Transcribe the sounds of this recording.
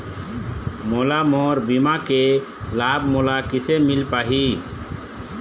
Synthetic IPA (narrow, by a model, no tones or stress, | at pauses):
molamɔɾbimake | labmolakisemilpaːɦi